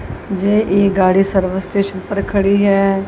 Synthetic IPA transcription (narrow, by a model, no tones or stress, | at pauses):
d͡ʒeːʔeːɡaːɽiːsəɾʋəsʈeːʃənpəɾkʰəɽiːɦɛː